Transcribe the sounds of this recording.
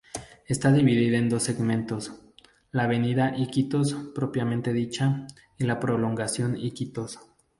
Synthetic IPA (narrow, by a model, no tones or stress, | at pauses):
e̞st̪aðiβiðiðaend̪o̞sːe̞ɡmẽnt̪o̞s | laːβe̞niðaʔikit̪ospɾo̞pjamẽ̞nt̪e̞ðit͡ʃa | ilapɾo̞lo̞ŋɡasjo̞nikit̪o̞s